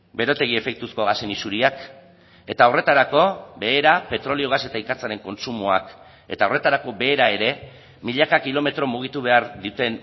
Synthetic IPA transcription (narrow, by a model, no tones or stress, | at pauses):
be̞ɾo̞t̪e̞ɣ̞ie̞fe̞k̚t̪usko̞ɣase̞nisuɾiak | e̞t̪ao̞re̞t̪aɾako̞be̞ːɾape̞t̪ɾo̞lio̞ɣ̞ase̞t̪aikat͡saɾe̞ŋko̞nsumua̰k | e̞̰t̪ao̞re̞t̪aɾako̞be̞ːɾae̞ɾe̞ | miʎakakilo̞me̞t̪ɾo̞muɣ̞it̪uβ̞e̞aɾðit̪e̞n